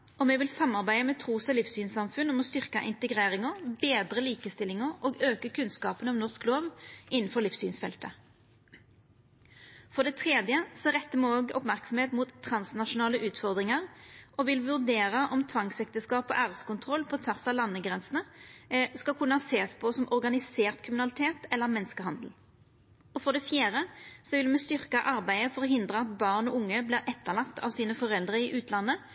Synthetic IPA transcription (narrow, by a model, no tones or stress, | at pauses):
ɔmɛʋɪlsɑmːɑʁbæɪəmɛt̪ʰʁuːsɔlifsyːnsɑmfʉnɔmɔst̪ʏʁkɑʔɪnt̪əɡʁeːʁɪŋɔbeːd̪ʁəliːkəst̪ɪlɪŋəʁoːɡøːkəkʰʉnskɑːpənɔmnɔʁskloːʋɪnn̩fɔʁliːfsyːnsfɛ̰lt̪ə | fɔʁd̪ɛt̪ʰʁeːd̪jəsɔʁɛt̪ːəmoːoːɡɔ̰pmæʁksɔmheːt̪muːt̪ʰːʁɑnsnɑʂʊnɑːləʔʉːt̪fɔʁd̪ʁɪŋəʁʔɔʋɪlʋʉʁd̪eːɾəʔɔmt̪ʰʋɑŋsɛk̚t̪əskɑːpɔʔæːʁəskʊnt̪ʰʁɔlpʰɔt̪ʰʋæʁsɑlɑnːəɡʁɛnsənə | skɑlkʰʉnːəhɑseːspʰɔsɔmʔɔʁɡɑnɪseːʁt̪kʰʁɪmɪnɑlɪt̪ʰeːt̪ɛlːəʁmɛnskəhɑnd̪l̩ | ɔfɔʁd̪ɛfjæːʁəsɔʋɪlmɛst̪ʏʁkəʔɑʁbæɪəfɔʁɦɪnd̪ʁəɑt̪bɑːʁnɔʊŋːəbliːʁʔɛt̪ːəʁlɑt̪ːɑ̰ʋsiːnəfɔʁɛld̪ʁəɪʔʉːt̪ʰlɑnːə